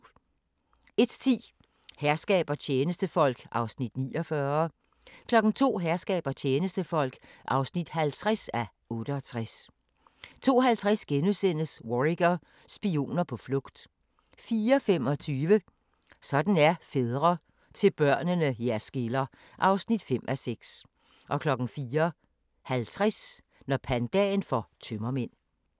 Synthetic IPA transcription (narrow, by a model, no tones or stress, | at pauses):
e̝d̥t͡sʰḭː | hæɐsɡ̥ɛ̰ːb̥ɐt͡ɕʰjeːnəsd̥əfɒ̽l̰ɡ̥ʔɑ̈ʊsnid̥nḭːɒfɶɐ | kʰlɒ̽ɡ̥n̩t͡sʰo̝̰ːɦæɐsɡ̥ɛ̰ːb̥ɐt͡ɕʰjeːnəsd̥əfɒ̽l̰ɡ̥ʔɑ̈ʊsnid̥hælt͡sʰʁasæ | ɔ̽ːɾ̥əɒt͡sʰʁas | t͡sʰo̝̰ːɦælt͡sʰʁasɡ̥enusen̰əsʋoʁiɡ̥ɐ | sb̥io̝̰ːnɐpʰɒ̽flɔ̽ɡ̥d̥ | fiːɐfem̰ɒ̽t͡sʰyːʋə | sɒ̽d̥n̩æɐfeð̞ˠʁɐ | t͡sʰe̝lb̥ɶɐ̰nənəjæɐsɡ̥elɐ | ʔɑ̈ʊsnid̥fem̰ʔæseɡ̥s | ʔɒ̽kʰlɒ̽ɡ̥n̩fiːɐ | hælt͡sʰʁas | nɒpʰænd̥ɛ̰ːnfɒt͡sʰømɐmen̰